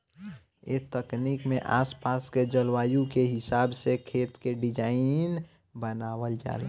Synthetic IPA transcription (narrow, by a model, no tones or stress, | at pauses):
ḛt̪əknikmẽʔa̰spasked͡ʒəlwaːjũkeɦɪsaːbsekʰeːt̪keɖid͡ʒaːɪn | bənaːwəld͡ʒa̰ːle